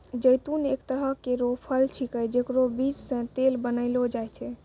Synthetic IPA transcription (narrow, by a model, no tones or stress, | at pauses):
d͡ʒəjt̪unekt̪əɾɦəkeɾopʰəlt͡ʃʰikəjd͡ʒekɾobid͡ʒsə̃t̪elbənəɪlod͡ʒajt͡ʃʰɛ